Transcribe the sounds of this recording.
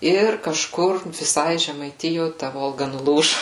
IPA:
ˈɪr kɐʃˈkʊr ʋʲɪˈsɐɪ ʒʲɛmɐɪˈtʲɪjoː tɐ ˈʋoːlˠɡɐ nʊˈlˠuːʒʊ

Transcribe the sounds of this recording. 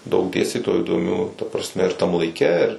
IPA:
dɐʊk ˈdʲeːsʲtʲiːtoːjuː iːdoːˈmʲuː tɐ prɐsʲˈmʲɛ ɪr tɐm lˠɐɪˈkʲɛ ɪr

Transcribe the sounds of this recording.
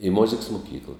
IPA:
ɪ ˈmoːzʲɪks mʊˈkʲiːklˠɐ

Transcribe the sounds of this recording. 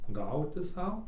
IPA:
ˈɡɐʊtʲɪ ˈsɐʊ

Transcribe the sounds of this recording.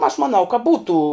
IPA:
ɐʃ mɐˈnɐʊ kɐ ˈbuːtuː

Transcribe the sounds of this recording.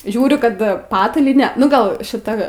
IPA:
ˈʒʲuːrʲʊ ˈkɐt ˈpɑːtɐlʲiːnʲɛ ˈnʊ ˈɡɐlˠ ʃʲɪˈtɐ

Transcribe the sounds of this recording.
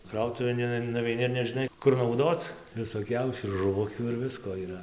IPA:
ˈkrɐʊtʊʋʲeːn ɪn nʊʋʲɛɪˈnʲɪ ɪr nʲɛʒʲɪˈnɐɪ kʊr nɐʊˈdoːt͡s ʋʲɪsoːˈkʲɛʊsʲuː ɪr ʒʊˈʋʊkʲuː ɪr ˈʋʲɪskoː iːˈrɐ

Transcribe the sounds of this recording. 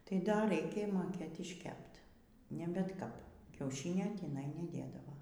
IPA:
tɐɪ dɐr ˈrɐɪkʲeː moːˈkʲeːt ɪʃʲˈkʲɛpt nʲɛ bʲɛt ˈkɐp kʲɛʊˈʃʲɪnʲoː tʲiːˈnɐɪ nʲɛˈdʲeːdɐʋoː

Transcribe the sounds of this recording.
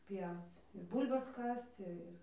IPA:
ˈpʲjɛʊt͡s ɪr ˈbuːlʲbɐs ˈkɐst͡s ɪr

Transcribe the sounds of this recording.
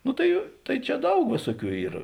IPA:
ˈnʊ tɐɪ ˈtɐɪ ˈt͡ʃʲɛ ˈdɐʊk ˈʋʲeːsuɔˌkʲuː ˈiːr

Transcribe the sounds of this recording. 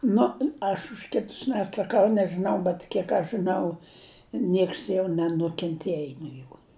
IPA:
ˈnʊ ɐʃ ʊʃ ˈkʲɪtʊs nʲɛɐtsɐˈkɐʊ nʲɛʒɨˈnɐʊ bʲɛt ˈkʲiɛk ɐʃ ʒɨˈnɐʊ ˈnʲiɛks jɛʊ nʲɛnʊkʲɛnʲˈtʲiɛj noː ˈjuː

